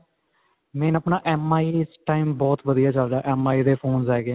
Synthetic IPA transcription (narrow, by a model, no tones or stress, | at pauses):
mɛ̃ːnəpnãːʔɛːmaːiːɪsʈaːimbɔːt̪ʋəd̪ijaːt͡ʃəlɾaːʔɛːmaːiːd̪eːpʰoːnzɦɛːɡẽː